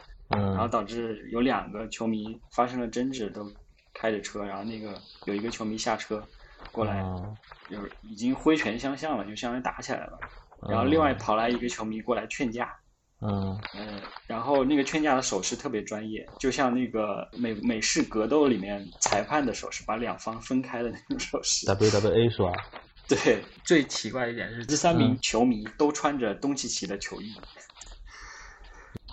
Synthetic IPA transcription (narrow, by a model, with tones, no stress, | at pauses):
ɻa˧˥xo˥˩t̪ɑ˨˩ʊʈ͡ʂɻ̩˥˩jo˧˥ʊljɑ˨˩ŋɡə˦t͡ɕʰjo˧˥ʊmi˧˥fa˥ʂɤ˥ŋə˨ʈ͡ʂə˥nʈ͡ʂɻ̩˥˩t̪o˥ʊ | kʰa˥ɪʈ͡ʂə˨˩ʈ͡ʂʰɤ˥ɻa˧˥nxo˥˧ʊna˥˩ɡə˩jo˨˩ʊi˧˥ɡə˧t͡ɕʰjo˧˥ʊmi˧˥ɕja̰˥˩ʈ͡ʂʰɤ˥kwɔ˥˩la˧˥ɪt͡ɕjo˥˩ʊi˨˩t͡ɕi˥ŋxwe˥ɪt͡ɕʰɥɛ˧˥nɕjɑ˥ŋɕjɑ˥˩ŋlə˩t͡ɕjo˥˧ʊɕjɑ˥˧ŋna˥t̪a̰˧˥t͡ɕʰi˨˩la̰˧˥ɪlə̰˦ɻa˧˥nxʊli˥˧ŋwa˥˩ɪ˩pʰɑ˨˩la˧˥ɪi˧˥ɡə˧t͡ɕʰjo˧˥ʊmi˧˥kwɔ˥˩la˧˥ɪt͡ɕʰɥɛ˥˧nt͡ɕja̰˥˩ | ə˧ɻa˧˥nxo˥˧ʊna˥˩ɡə˩t͡ɕʰɥɛ˥˧nt͡ɕja˥˩d̪ə˩ʂo˨˩ʊʂɻ̩˥t̪ʰɤ˥˩pjɛ˧˥ʈ͡ʂwa˥njɛ̰˥˩t͡ɕjo˥˧ɕ̬jɑ˥˧ŋna˥˩ɡə˩me˨˩me˨˩ɪʂɻ̩˥˩kɤ˧˥t̪o˥ʊli˨˩mjɛ˥˧˩nt͡sʰa˧˥ɪpʰa˥˩nd̪ə˩ʂo˨˩ʊʂɻ̩˥˩pa˧˥ljɑ˨˩ŋfɑ˥ŋfə˥nkʰa˥ɪd̪ə˨na˥˩ɪʈ͡ʂʊ˨˧˥ŋʂo˨˩ʊʂɻ̩˥t̪a˧˩pt̪a˧˩ɛ˥˧e˥ɪʂɻ̩˥ba̰˨˩ | t̪we˥˩ɪt͡swe˥˩ɪt͡ɕʰi˧˥kwa˥˩d̪ə˧˥˩jɛ̰˨˩nʂɻ̩˥˧ʈ͡ʂ̩˥˩sa˥nmi˧˥ŋt͡ɕʰjo˧˥ʊmi˧˥t̪o˥ʊʈ͡ʂʰwa˥nʈ͡ʂə˨t̪ʊ˥ŋɕi˨˩t͡ɕʰi˧˥d̪ə˧t͡ɕʰjo˧˥ʊi˥˩